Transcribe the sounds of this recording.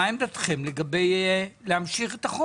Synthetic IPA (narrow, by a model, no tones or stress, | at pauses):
aemd̪at̪χemleɡabe̞jleamʃiχet̪aχo